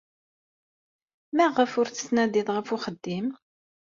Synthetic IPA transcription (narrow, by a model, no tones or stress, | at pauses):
mæʁəfʊɾθə̥snæðiðˤʁəfʊχəd̪ːim